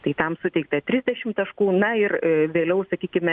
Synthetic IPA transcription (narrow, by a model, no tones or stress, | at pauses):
t̪ɐɪt̪ɐmsʊt̪ʲɛɪk̚t̪ɐt̪ʲɾʲɪzʲd̪ʲɛʃʲɪmt̪ɐʃkuːnɐɪrʋʲeːlʲɛʊsɐkʲiːkʲɪmʲɛ